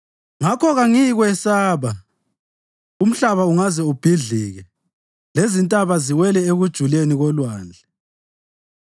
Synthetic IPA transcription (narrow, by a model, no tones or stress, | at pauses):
ŋakʰɔɣaŋiɣwɛsaːβa | um̩ɬaβauŋazɛub̥ʱiɮiːɣɛ | lezintʼaβaziwɛlɛeɣud̥ʒ̥ʱuleniɣɔlwaːnd͡ɮʱɛ